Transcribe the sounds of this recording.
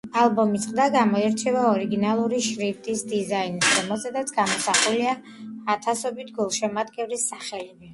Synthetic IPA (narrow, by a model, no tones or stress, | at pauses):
alˠbɔmit̪sʼqʼd̪aɡamɔɛɾt͡ʃʰɛvaɔɾiɡinalˠuɾiʃɾift̪ʼisd̪izainsdɛmɛszɛd̪at̪sʰɡamɔsaχuliaː | t̪ʰasɔbit̪ʰɡulˠʃɛmad̪ɡɛvlisaχɛlivɛ